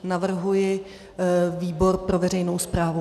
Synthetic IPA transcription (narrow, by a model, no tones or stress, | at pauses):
navr̩ɦujɪ | viːbo̞ɾpɾo̞vɛrɛjnowspɾaːvu